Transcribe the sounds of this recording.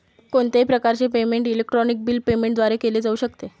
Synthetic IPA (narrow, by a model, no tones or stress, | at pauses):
koɳt̪epɾəkaɾt͡ɕepemeɳʈilek̚ʈɾɔnik̚biːlpemẽɳʈd̪ʋaɾekeleːd͡zauːɕəkt̪e